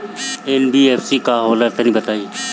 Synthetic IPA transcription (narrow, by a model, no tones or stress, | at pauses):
enbiːeːfsiːkaːɦoːlət̪ːnĩːbət̪aːiː